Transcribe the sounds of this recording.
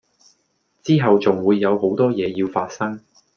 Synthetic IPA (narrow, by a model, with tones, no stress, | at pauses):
t͡siː˥ɦɐ˨wt͡sʊ˨ŋwuː˨˧jːɐ˨˧who˨˥wt̪ɔː˥jɛː˨˧jiː˧wfaː˧t̚sɐ˥ŋ